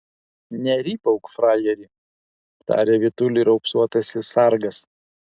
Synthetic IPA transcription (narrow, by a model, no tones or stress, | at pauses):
nʲɛɾʲiːpɐʊkfɾɑːjɛɾʲiː | ɐpt̪ɑ̰ːɾʲeːʋʲɪt̪ʊlʲiːɾɒʊksuɔt̪ɐsʲɪsɑˑɾɡɐs